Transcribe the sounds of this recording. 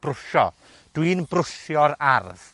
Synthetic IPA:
b̥rʊʃɔ̰ | d̥winbrʊʃjɔɾarð

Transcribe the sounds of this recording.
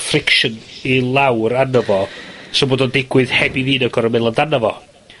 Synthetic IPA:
frɪkʃənilˠawranəvɔsɔmboːdɔndɪɡwɨð̥hɛbiviːnəɡɔɾəmɪlˠəndanəvɔ̰

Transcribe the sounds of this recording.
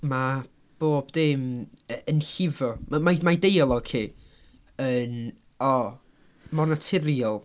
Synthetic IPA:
ma | b̥oːb̥d̥ɪməənɬɪvɔmamamajdejalˠɔkʰeː | ən | ɔ | mɔnatʰɪɾiɔlˠ

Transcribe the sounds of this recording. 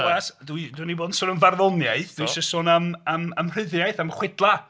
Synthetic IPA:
ɛsduiduiniboːdnsʊnənvarðɔnjaɨθd̥ujʃəsʊnəməməmr̥ɨðjajθamχwɪdlˠa

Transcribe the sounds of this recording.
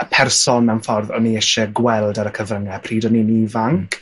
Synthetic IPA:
əpʰɛrsɔnmɛwnfɔrðɔ̰niəʃɛɡwɛlˠdaɾəkʰəvrəŋɛpʰriːdɔninivaŋkʰ

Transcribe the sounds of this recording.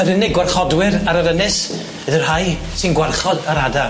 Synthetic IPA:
əɾɪnɪɡwarχɔdwɪɾaɾəɾənɪs | əðɨrhaj | sɪnɡwarχɔdaɾada

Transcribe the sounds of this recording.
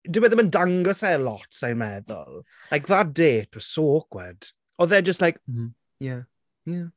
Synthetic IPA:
dɪwɛðəməndaŋɡɔsɛlɔtsajmɛðɔ̰lˠ | lajkðad̥eːt̚ɔsoːkwɛd̥ | ɔðɛd͡ʒəstlajk̩ | ja | ja

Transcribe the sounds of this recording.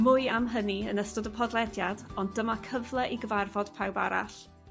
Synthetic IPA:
mʊɨamɦəniənəstʊdəpʰɔdlˠɛdjadɔndəmakʰəvlˠɛʔiɡəvarvɔd̥pʰawba̰ɾa̰ɬ

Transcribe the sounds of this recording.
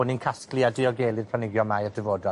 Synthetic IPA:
ʊninkʰasklˠiadɪɔɡeːlˠɨrpʰl̥anɪɡjɔmajədəvoːda

